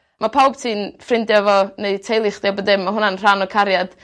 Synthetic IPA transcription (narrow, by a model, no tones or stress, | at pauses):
mapʰawb̥tʰiːnfrɪndjavɔneɨtʰejlˠɪχd̥ɛwbədɪmːaɦʊnanr̥anɔkʰaɾjad̥